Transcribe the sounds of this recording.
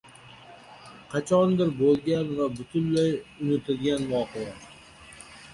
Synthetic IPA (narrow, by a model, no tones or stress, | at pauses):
qʰɑt͡ʃʰɒnd̪ɪɾbolˠɡʲanvabʊt̪ʰʊnlajʊnɪt̪ʰɪlɡʲanvɒːqʰeja